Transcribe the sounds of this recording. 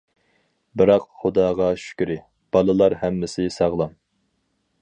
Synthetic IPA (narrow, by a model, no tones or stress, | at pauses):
bɨɾɑqχʊd̪ɑːʁɑʃy̥kʲyɾɪ | b̥ɑlˠɨlˠɑɾhɛmːɪsɪsɑʁlˠɑm